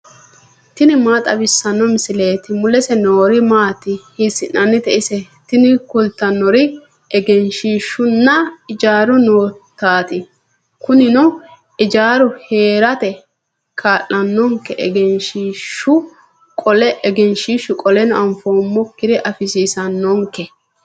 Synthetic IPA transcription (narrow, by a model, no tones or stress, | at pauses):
t̪ɪnɪmaːt̪ʼɐbɪsːɐnːɔmɪsɪleːt̪ɪmʊlɛsɛnoːɾɪmaːt̪ɪhɪsɪnːɐnːɪt̪ɛʔɪsɛ | t̪ɪnɪkʊlt̪ːɐnːɔɾɪ | ɛɡɛnʃiːʃːʊnːɐɪd͡ʒaːɾʊnoːt̪ːaːt̪ɪ | kʊnɪnɔ | ɪd͡ʒaːɾʊhe̞ːɾɐt̪ɛ | kʰaːlːɐnːɔŋkːɛʔɛ̰ɡɛnʃiːʃʊ | kʼɔlɛʔːɡɛnʃiʃʊkʼɔlɛnɔʔɐmfoːmːɔkːɪd̪ɛʔɐfɪsiːsɐnːɔŋkɛ